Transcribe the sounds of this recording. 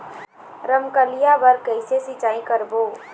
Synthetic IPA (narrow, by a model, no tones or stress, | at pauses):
ɾəmkəlijabəɾkəɪsesɪt͡ʃaːĩkəɾboː